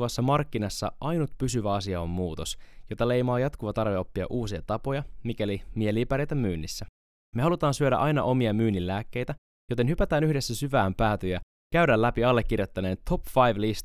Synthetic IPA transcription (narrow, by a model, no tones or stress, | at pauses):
ʋɑsːɑmɑrkːinɑsːɑ̰ʔɑjnut̪pysyʋæɑsiɑo̞mːuːt̪o̞sjo̞t̪ɑle̞jmɑːjɑt̪kuʋɑt̪ɑrʋeo̞pːiɑ̰ʔuːsiɑt̪ɑpo̞jɑmikælimieliːpæɾejt̪æmyːnːisːæ | me̞hɑlut̪ɑːnsyøɾæ̰ʔɑjnɑ̰ʔo̞miɑmyːnːilːæːkːe̞jt̪æ | jo̞t̪e̞nhypæt̪æːnyhde̞sːæsyʋæːmpæːt̪øjæ | kæydælːæpiɑlːe̞k̟ːirjo̞t̪ːɑne̞ːnt̪ʰo̞pfɑjʋlist̪